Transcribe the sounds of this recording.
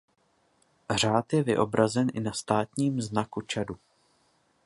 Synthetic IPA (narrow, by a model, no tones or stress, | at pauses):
r̝aːt̪jɛvɪʔo̞bɾazɛnʔɪnast̪aːt̪ɲiːmznakut͡ʃadu